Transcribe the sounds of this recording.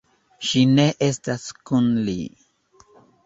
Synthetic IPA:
ʃine̞ʔestaskunlḭ

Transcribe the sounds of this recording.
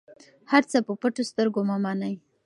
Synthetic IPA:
haɾt͡səpəpəʈost̪əɾɡomamanaj

